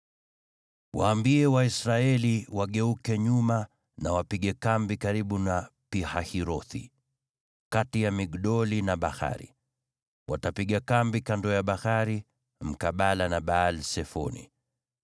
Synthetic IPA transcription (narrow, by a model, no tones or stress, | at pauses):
waːmbiɛwaisɾaɛliwaɠɛukɛɲuma | nawapiɠɛkambikaɾiɓunapihahiɾɔθḭ | katijamiɡɗɔlinaɓaxa̰ɾḭ | watapiɠakambikandɔjaɓahaɾi | m̩kaɓalanaɓaːlsɛfɔ̰nḭ